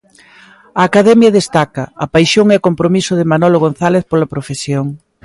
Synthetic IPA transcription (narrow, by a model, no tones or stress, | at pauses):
ɐːkaðɛmjɐðest̪akɐɐpajʃoŋɛkompɾomisʊðɪmanɔloɣ̞on̟θaleθpolɐpɾofesjoŋ